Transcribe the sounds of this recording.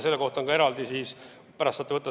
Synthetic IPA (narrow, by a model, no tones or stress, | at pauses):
se̞lːe̞ko̞ht̪o̞ŋkɑe̞ɾɑld̪isiːs | pæɾɑst̪sɑːt̪ːˑeɤt̪ːˑɑ